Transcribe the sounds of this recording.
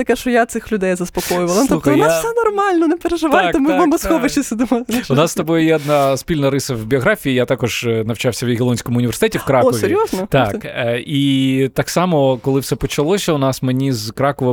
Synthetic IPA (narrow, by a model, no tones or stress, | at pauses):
t̪ɐkɛʃt͡ʃɔjat̪sɪxlʲʊd̪ɛjzɐspɔkɔjʊʋɐlˠɐnt̪ɔutxɔaffsɛnɔrmɑlʲnɔnepeɾeʒɪʋɑt̪ɔmujmɐmɐsxɔʋɐt͡ʃɪsʲɐd̪ɪmɔt̪ʊnɑst̪ɐbɔjʊjɛɔd̪nɑspʲilʲnɐɾɪsɐwbʲiɔɣɾɑfʲiijat̪ɑkɔʒnɐwt͡ʃɑwsʲɐʋʲid̪ɣʲɪlˠɔnʲsʲkɔmʊnʲiʋʲersɪ̥t̪ɛtʲiwkɾɑɔʋʲeɾʲjɔznɔt̪ɑkit̪ɑksɑmɔkɔlˠɪwsɛpɔt͡ʃɐlˠɔsʲɐʊnɑsmenʲizkɾɑkɔʋɐ